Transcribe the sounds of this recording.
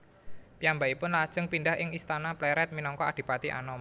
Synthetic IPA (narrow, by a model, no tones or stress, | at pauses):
piambaipʊnlad̥ʒ̥əŋpindahʔɪŋist̪anaplɛɾɛt̪̚minɔŋkɔa̰d̥i̤pat̪iʔa̰nɔm